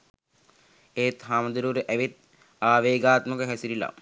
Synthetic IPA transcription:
eːt̪ɦaːmɐd̪uɾuːɾeʔæʋit̪̚ | aːʋeːɡaːt̪məkəɦɛsiɾila̰

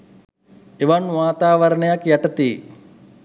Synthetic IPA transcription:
iʋanʋaːt̪aːʋɐɾɐɳɐjɐkjɐʈɐt̪iː

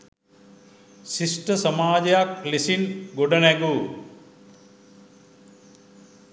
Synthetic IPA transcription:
sisʈɐsɐmaːd͡ʑɐjaklisinɡoɖɐnɛɡu

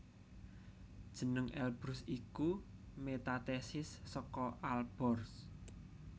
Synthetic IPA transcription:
d̥ʒ̥ə̤nəŋʔɛlb̥ɾʊsiku | met̪at̪ɛsɪsːɔkɔʔalb̥ɔrs

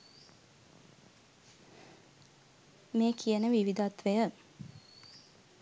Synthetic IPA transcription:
meːkʰiənəʋiʋid̪at̪ʋəjə

